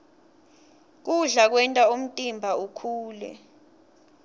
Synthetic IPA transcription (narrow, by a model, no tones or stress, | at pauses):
k̬uɮak̬wɛntʼaum̩tʼimbʱaukʰuːlɛ̰